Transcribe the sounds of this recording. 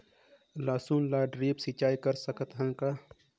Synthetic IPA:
laːsuːnlaːɖɾiːpsit͡ʃaːikəɾsəkət̪ɦə̃ŋkaː

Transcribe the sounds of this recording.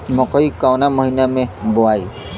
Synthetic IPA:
mɔkɔjkawnamɔɦinamebɔaj

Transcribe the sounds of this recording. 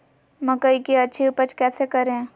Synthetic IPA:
mɐkəikiɐtːʃʰiʊpət͡ʃkɛːsekɐɾeɛ̃ː

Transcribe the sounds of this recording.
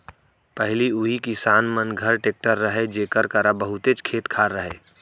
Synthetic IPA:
pɛɦliʊɦikɪsaːnmənɡʱəɾʈeːk̚ʈəɾːəɦed͡ʒeːkəɾkəɾabəɦʊt̪et͡ʃkʰeːt̪kʰaːɾːəɦeː

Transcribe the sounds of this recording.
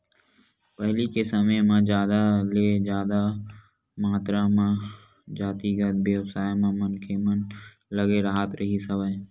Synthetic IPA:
pɛɦlikesɐməjmãd͡ʒjaːd̪aleːd͡ʒjaːd̪a | maːt̪ɾamã | d͡ʒaːt̪iɡəd̪̚beəbsaːjmãmənkʰemən | ləɡeɾəɦat̪ɾɐɦisɐʋəj

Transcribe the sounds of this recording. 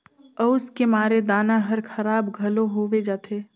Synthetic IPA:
ɔʊskemaːɾed̪aːnaɦɐɾkʰɐɾaːbɡʱɐloɦoːʋed͡ʒaːt̪ʰeː

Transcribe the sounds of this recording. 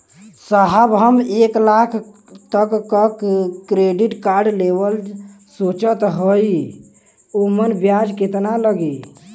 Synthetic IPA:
səɦəbɦəmeklakʰ | t̪əkːəkkɾeɖiʈkaɾɖlebəl | sot͡ʃət̪ɦoj | omənbjad͡ʒket̪naləɡe

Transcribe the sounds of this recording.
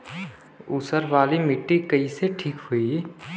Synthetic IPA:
ʊsəɾʋaːlimɪʈːikəiseʈʰiːkɦui

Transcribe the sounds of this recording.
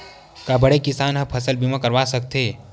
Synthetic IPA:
kabəɽekɪsaːnɦə̃pʰəsəlbimãkəɾʋasək̚t̪e

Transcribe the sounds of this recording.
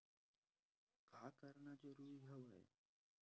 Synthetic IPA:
kakəɾɳad͡ʑeɾuːiɦəʋəj̰

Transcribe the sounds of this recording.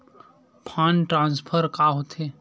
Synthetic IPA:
pʰãːnʈɾãːnspʰəɾkaːɦot̪eː

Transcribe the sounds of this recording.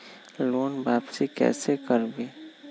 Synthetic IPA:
loːnbaːpsikɛ̰ːsekəɾbiː

